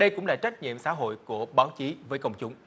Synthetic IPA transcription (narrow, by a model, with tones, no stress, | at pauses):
ɗə˧jkʊ̰˧˥ŋ͡mla̰ː˨˩t͡ɕa˦˥jk̟̚ɲḭ˧˨əmsa̰ː˧˥˦ɦo̰˧˨jku˧˩əɓaː˨˦wt͡ɕi˨˦vəː˨˦jkə˧wŋ͡mt͡ɕʊ˨˦ŋ͡m